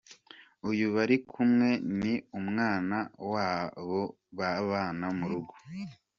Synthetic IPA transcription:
ujuβaɾikʰumŋe̞niumŋaːnawaːβo | βaβaːnamuɾuɡo̥

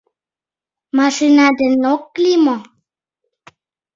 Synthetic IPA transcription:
maʂinad̪enokːlimo

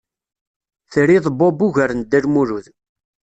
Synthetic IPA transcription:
θɾiðˤbobuʝəɾənd̪ːælmuɾuð

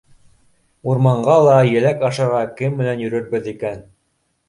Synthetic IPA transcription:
uɾmɑɴɢɑlˠɑjɘ̆lækɑʃɑɾʁɑkɘmːɘ̆nænjɵ̆ɾɵ̆ɾbɘðikæn

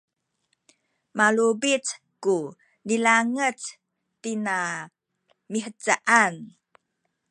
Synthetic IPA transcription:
malubit͡s | ku | nilaŋət͡s | tina | miħət͡saʔan

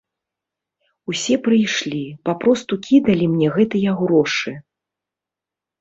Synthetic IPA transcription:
usʲɛpɾɨjʂlʲipapɾɔst̪ukʲid̪ɐlʲimnʲɛɣɛt̪ɨjɐɣɾɔʂɨ

